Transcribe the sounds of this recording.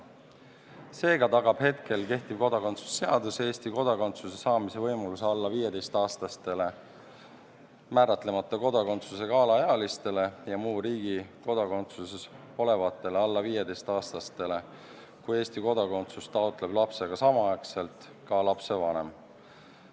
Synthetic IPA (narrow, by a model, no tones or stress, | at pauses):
se̞ːɡ̥ɑt̪ɑɡ̥ɑb̥he̞t̪ke̞lke̞ht̪ib̥ko̞d̪̥ɑko̞nt̪su̥sːe̞ɑd̪use̞ːsʲt̪iko̞d̪̥ɑko̞nt̪suse̞sɑːmise̞vɤjmɑluseɑlːɑviːje̞t̪e̞jst̪ɑːst̪ɑst̪e̞le̞ | mæːɾɑt̪le̞mɑt̪ːˑɑko̞d̪̥ɑko̞nt̪suse̞kɑːlɑeɑlist̪e̞le̞jɑmuːɾiːɡ̥iko̞d̪̥ɑko̞nt̪suses | o̞le̞vɑt̪ːˑe̞leɑlːɑviːje̞d̪e̞jst̪ɑːst̪ɑst̪e̞le̞ | kuje̞ːsʲt̪iko̞d̪̥ɑko̞nt̪sust̪ɑot̪ːˑle̞b̥lɑpse̞ɡ̥ɑsɑmɑɑkse̞lt̪ˑ | kɑlɑpse̞vɑne̞̰m